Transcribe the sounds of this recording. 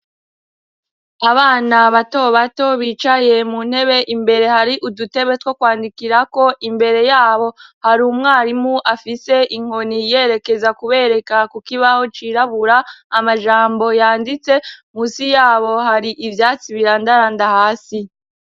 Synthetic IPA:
aβaːnaβato̞βato̞βiːt͡ʃaje̞mun̥he̞βe̞ʔimbe̞ɾe̞haɾiʔudute̞βetwo̞kwaːndikiɾako̞ʔimbe̞ɾe̞jaːβo̞haɾuːmŋaːɾimuʔafise̞ʔiŋ̥honije̞ːɾe̞ke̞zakuβe̞ɾe̞kakukiβaho̞t͡ʃiɾaβuɾaːmaʒaːmbo̞jaːndit͡se̞muːsijaːβo̞haɾiʔivjaːt͡siβiɾandaɾandahaːsi

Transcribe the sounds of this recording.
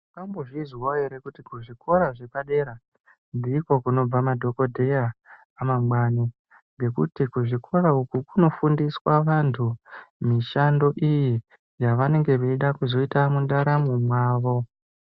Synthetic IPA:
ikamboʐizwaeɾe̞kutikuʐikʰo̞ɾaʐe̞paɗe̞ɾa | ndiːko̞kuno̞b͡vamadʱo̞ko̞dʱe̞jaː | mamwani | ŋɡe̞kṵtikuʐikʰo̞ɾaukukuno̞fundiswaʋantʰumiʃando̞ʔiji | jaʋane̞ŋɡe̞ʋeiɗakuzo̞itamundaɾamumwaːʋo̞

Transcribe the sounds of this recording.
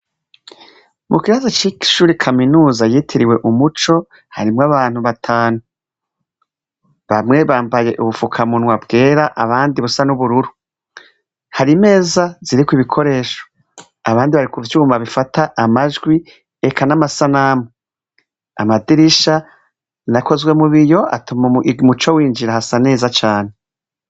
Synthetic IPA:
mʔukiβazat͡ʃiki̥ʃuːɾikʰaminuːzajiːtʰiɾiwe̞ʔumut͡ʃo̞ | haɾimŋaβaːn̥huβatʰaːnu | βamŋe̞βaːmbaje̞ʔuβufukʰamunŋwabɡe̞ːɾaʔaβaːndiβusanuβuɾuɾu | haɾime̞ːzaziɾikwiβikʰo̞ɾe̞ːʃo̥ | aβaːndiβaɾikuβut͡ʃuumaβifatʰaʔamaʒɡwi | ekʰanamasanamo | a̰madiɾiʃa | nako̞zwe̞muβijo̞a̰tumamut͡ʃo̞wiːnd͡ʒiɾahasane̞ːzat͡ʃaːne

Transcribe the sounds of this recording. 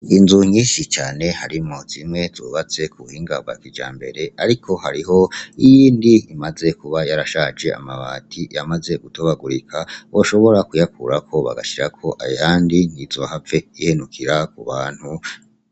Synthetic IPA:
inzuɲiːʃit͡ʃaːne̞haɾimoz̥imŋe̞zuβat͡se̞kʰuhiːŋɡabɡa̰kid͡ʒa̰ːmbe̞ɾe̞aɾikʰo̞haɾiɦo̞ijiːndiːmaze̞kuβajaɾaʃad͡ʒe̞a̰maβa̰tʰijamaze̞ɡutoβaɡuɾikʰaoʃo̞βo̞ɾakujakʰṵɾakʰo̞βa̰ɡa̰ʃiɾakʰo̞ʔajaːndin̥izohave̞ihenukʰiɾakuβaːn̥hu

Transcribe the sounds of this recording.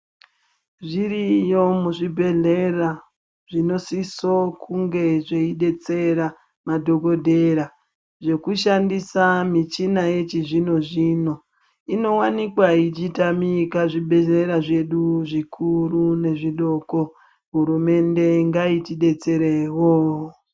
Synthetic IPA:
ʐiɾijo̞muʐibʱe̞ɮera | ʐino̞sisokʰuŋɡe̞ʐe̞iɗe̞t͡se̞ɾa | madʱo̞ɡo̞dʱe̞ɾa | ʐe̞kuʃandisamit͡ʃinaje̞t͡ʃiʐino̞ʐiːno̞ | ino̞wanikwait͡ʃitamikaʐibʱe̞ɮe̞ɾaʐe̞ɗuʐikʰurune̞ʐiɗo̞ːko̞ | ɦuɾume̞nde̞ŋɡaitiɗe̞t͡se̞ɾewo

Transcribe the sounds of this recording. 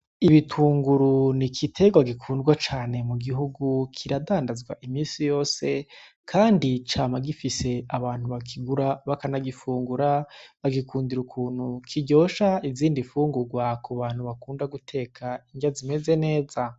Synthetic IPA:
iβitʰuːŋɡuɾunikʰitʰe̞ɡwaɡikʰuːndɡwat͡ʃaːne̞muɡiɦuɡukʰiɾadaːndazɡwa̰ʔimiːnsijo̞ːse̞ | kʰaːndit͡ʃaːmaɡifise̞aβaːn̥huβakʰiɡuɾaβakanaɡifuːŋɡuɾaβaɡikʰuːndiɾukʰuːnhukʰiɟo̞ːʃaiziːndifuːŋɡuɾɡwakuβaːn̥huβakuːndaɡutʰe̞ːkʰaiŋɡiazime̞ze̞ne̞ːza

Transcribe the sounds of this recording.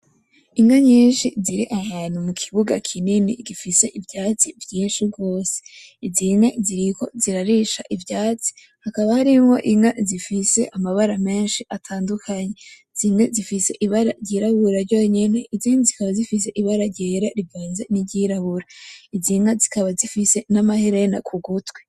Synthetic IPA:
iŋaɲiːnʃiziɾiʔahaːn̥humukʰiβuɡakʰininiɡifise̞ʔivjaːt͡sivjiːnʃiɡo̞ːse̥ | iziŋeziɾiko̞ziɾaɾiʃaʔivjaːt͡si̥ | hakaβahaɾimŋo̞̰ʔiŋazifise̞ʔamaβaɾame̞ːnʃiʔatʰaːndukʰaɲe | z̥imŋezifise̞ʔiβaɾaɾɟiɾaβuɾaɾɟo̞ɲeneʔiziːnizikaβazifis̬e̞ʔiβaɾaɾɟeɾaɾivaːnzeniɟiɾaβuɾaiziŋazikaβazifise̞namahiɾena̰kʰuɡutwe

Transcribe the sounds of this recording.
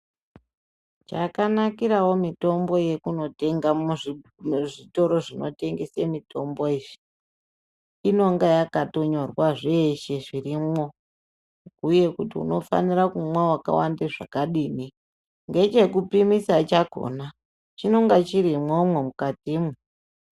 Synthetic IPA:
t͡ʃakanakiɾawomito̞mbo̞je̞kuno̞teŋɡa | ʐito̞ɾo̞ʐino̞̰te̞ŋɡesemito̞mboiːʐi̥ | ino̞ŋɡajakato̞ɲo̞rwaʐe̞ʃe̞ʐirimo̞ | uje̞kutiṵno̞fa̰niɾakumwawaka̰wandeʐa̰kaɗiːni | ŋɡe̞t͡ʃe̞kupimisat͡ʃaɡʱo̰na | t͡ʃino̞ŋɡat͡ʃiɾimwomwemukatime

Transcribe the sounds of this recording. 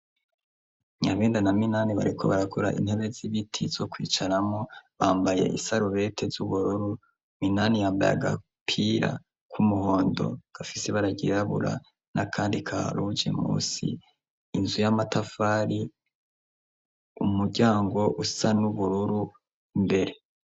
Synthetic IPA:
ɲaβeːndanaminaːniβa̰ɾikʰo̞̰βaɾakʰoɾaʔḭn̥he̞βe̞ziβitʰiz̥o̞kwḭːt͡ʃaɾamoβaːmbaje̞̰ʔḭsaɾuβe̞tʰe̞zuβuɾuɾu | minaːnijaːmba̰ja̰ɡa̰ | pʰiɾa̰ | kʰumuho̞ːndo̞̰ɡ̥afiseβaɾaɟiɾaβṵɾa̰ | nʔakʰaːndikʰaɾud͡ʒe̞̰mṵːsḭː | nzujamatafaːɾi | umuɟaːŋɡo̞ʔusanuβuɾuɾu | mbe̞ɾe̞

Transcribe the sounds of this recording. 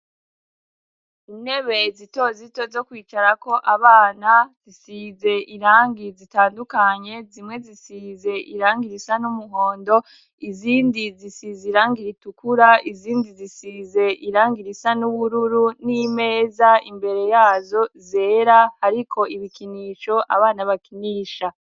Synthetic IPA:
ine̞βe̞zito̞zito̞zo̞kwiːt͡ʃaɾako̞ʔaβaːnaz̥isize̞ʔiɾaːŋɡizitaːndukaɲe̞zimŋe̞zisize̞ʔiɾaːŋɡiɾisanumuɦo̞ːndo̞ | iziːndizisizeiɾaːŋɡiɾitukuɾaiziːndizisize̞ʔiɾaːŋɡiɾisanuβuɾuɾunime̞ːzaimbe̞ɾe̞jaːzo̞ze̞ːɾahaɾikʰo̞iβikiniːʃo̞ʔa̰βaːnaβakiniːʃa

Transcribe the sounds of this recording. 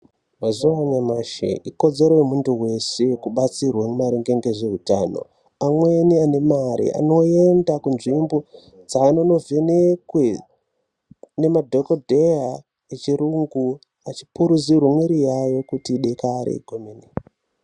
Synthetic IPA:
mazuwaɲamaʃḛʔiko̞d͡ze̞ɾemuntuwe̞sekuɓat͡sirwamumaɾiŋɡe̞ŋɡe̞ʐe̞ɦuta̰ːno̞̰ | amweniane̞maɾḭa̰no̞endakunʐimbo | d͡zaːno̞no̞ve̞nekwe | ne̞madʱo̞kodʱea | et͡ʃiɾuŋɡu | at͡ʃi̥puɾud͡zirwemweɾijajo̞kutiːɗe̞kaɾḛɡʱomeni

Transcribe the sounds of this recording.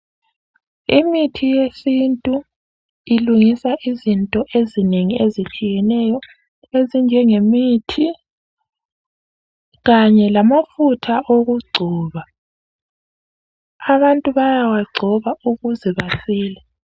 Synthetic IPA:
imitʰijesintʼu | iluŋisaʔizintʼɔʔezineŋiezit͡ʃʼijɛnɛjɔ | ezind͡ʒʱɛŋemitʰi | ɣaɲɛlamafutʰaʔoɣuɡ͡ǀʱɔːβa | aβantʼuβajawaɡ͡ǀʱɔβauɣuzɛβasiːlɛ

